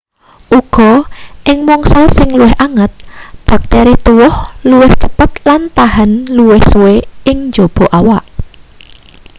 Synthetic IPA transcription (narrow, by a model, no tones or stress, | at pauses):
ʔuɡ̥ɔ̤ʔɪŋmɔŋsalsɪŋluwɪhʔaŋət̪̚b̥a̤k̚t̪ɛɾit̪uwʊhluwɪht͡ʃəpət̪lant̪aɦanluwɪhsuweɪŋɲd͡ʒob̥ɔ̤ʔawaʔ